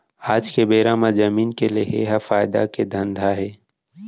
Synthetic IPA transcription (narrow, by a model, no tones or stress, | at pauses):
aːd͡ʒkebeːɾaːmazəmiːnkeleɦḛɦafaːɪd̪a̰ked̪ʱɐ̃nd̪ʱaɦɛː